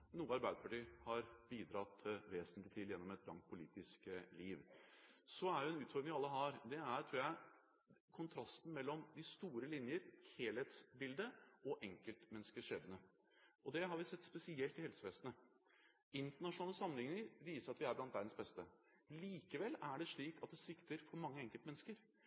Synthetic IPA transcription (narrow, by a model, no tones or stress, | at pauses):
nuːəɑɾbæɪd̪əpʰɑʈiːhɑɾbiːd̪ɾɑt̪ʰːɪʋeːsənt̪lɪt̪ʰiːd̪jɛnːɔmɛt̪̚blɑ̰ŋt̪̚pʰʊlḭːt̪ɪskliːʋsɔæɾjʊɛnʉːt̪fɔɾɖ̪ɾɪŋʋɪɑlːəɦɑɾd̪ɛæɾt̪ʰɾuːɾjæɪ | kʰʊnt̪ʰɾɑst̪n̩mɛlːɔmd̪ɪst̪uːɾəlɪnjəɾheːlheːt̪sbɪld̪əɔʔɛŋkəlt̪mɛnskəʂeːbənə | ʔɔd̪ɛɦɑɾʋɪsɛt̪ːspɛsɪɛlt̪ɪhɛlsəʋeːsənə | ɪnt̪əɳɑʂʊnɑːləsɑmːənhɪŋːəŋəɾʋiːsəɾɑt̪ʋɪæɾblɑnt̪ʋæɾd̪n̩sbɛst̪ə | liːkəʋɛlːæɖɛʂɭiːkɑt̪̚d̪ɛsʋɪkt̪əɾfɔɾmɑŋːəɛŋkəlt̪mɛnːəskəɾ